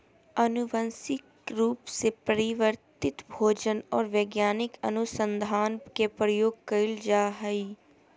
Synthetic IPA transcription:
ɐnʊʋə̃nsɪk | ɾuːpsepəɾɪʋəɾt̪ɪt̪bʱoːd͡ʒənɔːɾʋeːɡjaːnɪkɐnʊsə̃nd̪ʱaːnkepɾəjoːɡkəɪld͡ʒaːɦɐi

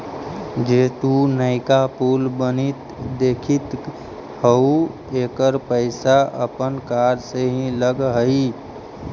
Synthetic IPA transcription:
d͡ʒeːt̪unəɪkapuːlbənit̪d̪eːkʰit̪ | həu | eːkəɾpəɪsaə̰pənkaːɾseɦĩləɡɦəi

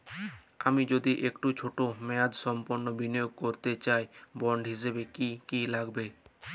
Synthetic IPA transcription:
a̰mid͡ʑod̪iʔekʈut͡ɕʰoʈomɛad̪ʃɔmpoɾnobinijoɡ̚koɾt̪et͡ɕaebɔɳɖɦiʃ̬ebekikilaɡbe

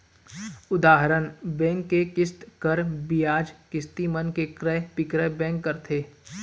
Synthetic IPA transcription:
ʊd̪aːɦɾənbɛ̃ːŋkːekɪst̪kəɾbɪjaːd͡ʒkɪst̪imənkekɾɛpɪkɾəbɛ̃ːŋkːəɾt̪ʰeː

